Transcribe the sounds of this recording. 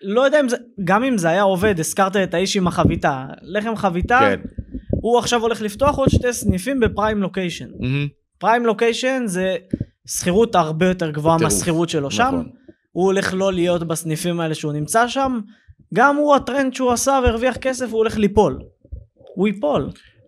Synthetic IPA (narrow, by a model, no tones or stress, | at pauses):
lo̞jod̪eaimzeɡamimzeajao̞ve̞d̪eskaʁt̪̬aet̪aiʃimaχavit̪ale̞χe̞mχavit̪anuaχʃavo̞le̞χlift̪o̞aχo̞d̪ʃt̪esnifimbe̞pʁajmlo̞kejʃon | pʁajmlo̞kejʃo̞nze̞ | sχiʁut̪aʁbe̞jo̞te̞ʁɡvoameasχiʁut̪ʃe̞lo̞ʃam | uole̞χlo̞lijo̞tbasnifimae̞le̞ʃeunimt͡saʃam | ɡamuat̪ʁe̞nd̪ʃeuasaveːʁviaχke̞s̬e̞fuole̞χlipo̞l | uipo̞l